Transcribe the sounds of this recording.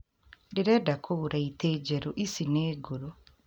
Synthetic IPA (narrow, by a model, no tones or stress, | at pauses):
diɾedakʰouɾaiteːɟeɾoʔisineːɡoɾo